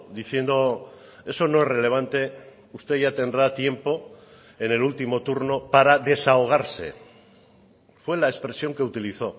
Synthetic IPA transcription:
d̪iθje̞nd̪o̞ | e̞so̞no̞e̞rele̞β̞ant̪e̞ | ust̪e̞ʝat̪e̞nd̪ɾat̪je̞mpo̞ | e̞ne̞lult̪imo̞t̪uɾno̞paɾaðe̞saoɣ̞aɾse̞̰ | fwe̞laespɾe̞sjo̞ŋke̞ut̪iliθo̞

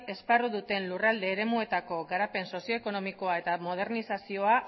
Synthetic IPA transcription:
e̞sparuðut̪e̞nlurald̪e̞ːɾe̞mue̞t̪ako̞ɡaɾape̞nso̞sio̞eko̞no̞miko̞ae̞t̪amo̞ð̞e̞ɾnisasio̞a

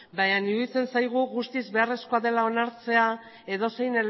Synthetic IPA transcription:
baɲaniuðit͡se̞nsajɣ̞uɣust̪izβe̞are̞sko̞aðe̞lao̞naɾt͡se̞a | e̞ðo̞se̞jne̞l

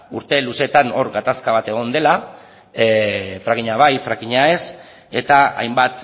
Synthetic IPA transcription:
uɾt̪e̞luse̞t̪ano̞ɾɣat̪askaβ̞at̪e̞ɣ̞o̞nd̪e̞la | fɾaɣiɲaβ̞ajfɾakiɲae̞s | e̞t̪aa̰jmbat̪

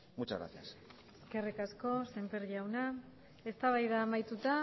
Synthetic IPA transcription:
mut͡ʃa̰ɣɾa̰θias | eske̞rikasko̞se̞mpeɾʝawna | e̞st̪aβajðaːmajt̪ut̪a

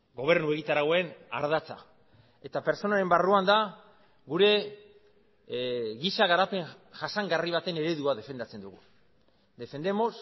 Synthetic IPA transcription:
ɡo̞β̞e̞ɾnue̞ɣit̪aɾaɣoe̞na̰ɾðat͡sa̰ | e̞t̪ape̞ɾt͡so̞naɾe̞mbaruand̪a | ɣuɾe̞ | ɣisaɣaɾape̞ŋʝasaŋɡariβ̞at̪e̞ne̞ɾe̞ðuaðe̞fe̞nd̪at͡se̞nd̪uɣ̞u | d̪e̞fe̞nd̪e̞mo̞s

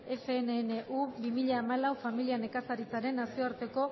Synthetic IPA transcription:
e̞fe̞ːneːneʔubimiʎaːmalawfamiliane̞kasaɾit͡saɾe̞nːasio̞aɾt̪e̞ko̞

